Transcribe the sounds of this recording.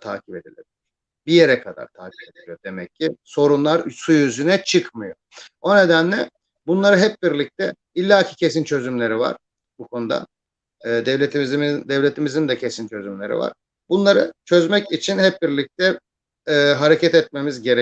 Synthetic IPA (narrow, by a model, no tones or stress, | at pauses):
t̪ʰa̰ːcʰibe̞d̪ilʲebilʲiɾ̥ | bije̞ɾɛkʰad̪a̰ɾt̪ʰaːcʰi̥bed̪ilʲijod̪e̞mɛcʰːiso̞ɾunlˠaɾsujyzynɛt͡ʃʰɯkmɯjo̞ | o̞ne̞d̪ænlʲɛ | bunlˠaɾɯɦɛp̚biɾlʲic̚t̪ʰɛ | ilʲːaːcʰi̥cʰe̞s̬int͡ʃʰø̞zymlʲe̞ɾiva̰ɾ̥ | bukʰo̞nud̪a̰ː | d̪ɛvlʲet̪zd̪ɛvlʲet̪ʰimizind̪ɛcʰesint͡ʃʰø̞zymlʲe̞ɾḭva̰ɾ̥ | bunlˠaɾɯt͡ʃʰø̞zmɛcit͡ʃʰinhɛp̚biɾlʲic̚t̪ʰɛː | ɦaɾe̞cʰɛt̪ɛt̪̚me̞mizɟeɾ